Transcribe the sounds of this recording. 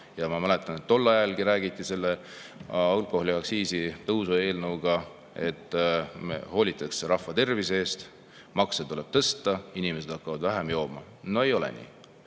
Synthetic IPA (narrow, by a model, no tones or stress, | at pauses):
jɑmɑmælet̪ˑɑne̞t̪ːo̞lːɑjɑlɡiɾæːɡit̪ˑːise̞lːe | ɑlko̞hliɑksiːsit̪ɤwsue̞ːlnɤwɡ̥ɑ | e̞t̪ːˑmḛho̞ːlʲit̪ːˑɑkseɾɑhvɑt̪e̞rviseeːst̪ | mɑkset̪ule̞b̥̚t̪ɤst̪ːɑinimese̞d̪̥ɑkːɑvɑd̪væɦemjo̞ːmɑ | no̞e̞jo̞lḛnḭː